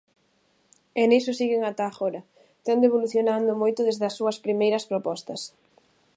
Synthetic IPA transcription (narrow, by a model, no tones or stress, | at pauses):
enijsʊsiɣɪŋat̪axɔɾɐ | t̪ɛnd̪ʊeβoluθjonand̪ʊmojt̪ʊðezðɐsːuɐspɾimejɾɐspɾopɔst̪ɐs